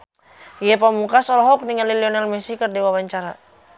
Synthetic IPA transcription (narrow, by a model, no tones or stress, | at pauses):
iɛpamukasɔlɔɦɔk̚niŋaliliɔnalmɛsikərdiwawaɲt͡ʃaɾa̰